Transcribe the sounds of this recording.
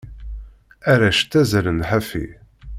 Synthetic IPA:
æɾæʃt̪ːæzɾənħafḭ

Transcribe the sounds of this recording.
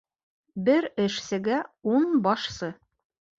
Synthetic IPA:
bɘɾɘ̆ʃsɘ̆ɡæunbɒʃsɤ

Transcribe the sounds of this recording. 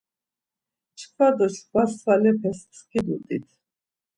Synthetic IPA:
t͡ʃkʰwad̪ɔt͡ʃkʰwaswalɛpʰɛspskʰid̪ṵd̪ʼḭt̪ʰ

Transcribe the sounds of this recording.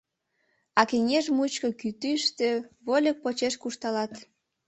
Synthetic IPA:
ɑkeŋʲeʒmut͡ɕkokyt̪yʃt̪eβolʲək̚pot͡ɕeʃkuʃt̪ɑlɑt̪

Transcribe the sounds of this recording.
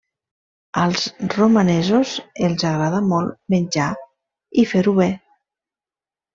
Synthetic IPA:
əlˠzrumanɛzozelzaɣɾaðamɔlˠmenʲd͡ʒa | ifeɾuβe

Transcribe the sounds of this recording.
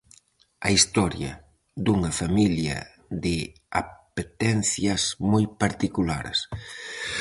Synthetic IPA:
ɐ̰ist̪ɔɾjɐ̰ | d̪uŋɐfamiljɐ̰ | ðɪ | a̰pet̪ɛn̟θjɐsmɔjpaɾt̪ikula̰ɾs

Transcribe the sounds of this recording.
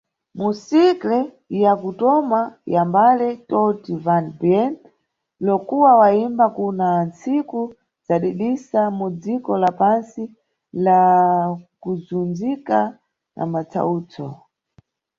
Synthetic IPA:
musiklɛ | ijakutɔmajambalɛtɔtivanbjɛn | lɔkuwawaimbakunant͡siku | z̥aɗiɗisamud͡zikɔlapansi | la | kuzund͡zika | nʔa̰mat͡sʰa̰uːt͡sʰɔ̰

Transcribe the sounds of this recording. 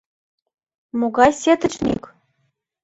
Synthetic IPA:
moɡɑjsʲet̪ɘ̆t͡ɕnʲḭkʲ

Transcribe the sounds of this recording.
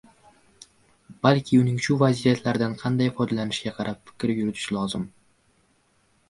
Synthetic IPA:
b̥alkʲʰɪʊnɪŋʃʊvazijat̪ʰlaɾd̪anqʰɑnd̪ajfɒjd̪alanɪʃɡʲaqʰɑɾʔapfɪ̥kʲɾɪjʊɾɪt̪ʰɪ̥ʃlɒzɪm

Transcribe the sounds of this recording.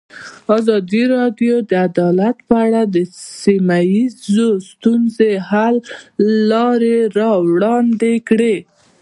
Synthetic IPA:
ɑzɑd̪iɾɑɖjod̪əad̪ɑlat̪pəaɽad̪əsimajizost̪unzehalː | ɑɾeɾɑwɽɑnd̪ekɽe

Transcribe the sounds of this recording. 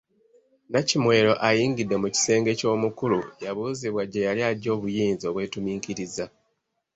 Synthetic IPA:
nacimwe̞ːɾo̞ʔajiːŋɡidːe̞muci̥se̞ːŋɡe̞co̞ːmukulujaβuːziβwaɟe̞jaliado̞ːβujiːnzio̞ːβwe̞ːtumiːkiɾiza

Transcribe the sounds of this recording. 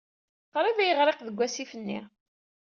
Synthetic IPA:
qɾiðæjəʁɾeqðəɡʷːæsifənːḭ

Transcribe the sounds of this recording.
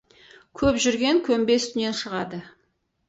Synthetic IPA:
kʲʰɵpʒʏɾɡʲe̞ŋkʲʰɵmbe̞st̪ʰʏne̞nʃəʁɑd̪ə

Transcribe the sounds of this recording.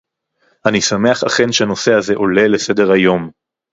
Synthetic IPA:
ʔanisame̞aχa̰χe̞nʃeano̞seaze̞ʔo̞le̞lese̞deʁhajo̞m

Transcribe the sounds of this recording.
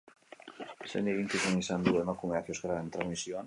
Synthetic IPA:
sḛnd̪eβiŋk̪ifumisand̪uemakumɛɾθjoskɾaðent̪ɾazmisjon

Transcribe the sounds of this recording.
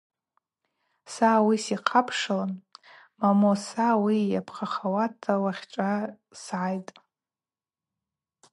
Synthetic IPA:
sawisiqʰapʰʂalan | mamosawijapʰχaχawatʰawaχʲʈ͡ʂʷʼa | sʕajtʼ

